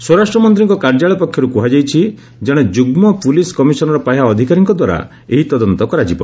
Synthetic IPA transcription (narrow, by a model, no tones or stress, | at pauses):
swɔɾasʈɾɔmɔnt̪̬ɾiŋkɔkaɾd͡ʒaɭɔpɔkʰjɔɾukuɦad͡ʒajt͡ʃʰi | d͡ʒɛɽ̃ɔd͡ʒuɡmɔpuliskɔmisɔnɔɾɔpajaɔd̪ʱikaɾiŋkɔd̪waɾa̰ | eɦit̪ɔd̪ɔnt̪ɔkɔɾad͡ʒibɔ̰